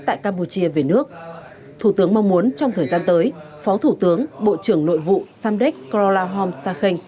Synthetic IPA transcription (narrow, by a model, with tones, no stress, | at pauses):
t̪a̰ː˧˨jkaː˧mpu˧t͡ɕi˧əve˨˩nɨ˦˥ək̚ | t̪ʰu˧˩t̪ɨ˨˦əŋma˧wŋ͡mmu˨˦ənt͡ɕɔ˧wŋ͡mt̪ʰəː˨˩jzaː˧nt̪əː˨˦j | fɔ˨˦t̪ʰu˧˩t̪ɨ˨˦əŋɓo̰˧˨t͡ɕɨ˧˩əŋno̰˧˨jvṵ˧˨saː˧mɗɛ˦˥k̚klɔ˧laː˧ɦɔ˧msaː˧xï˧ŋ̟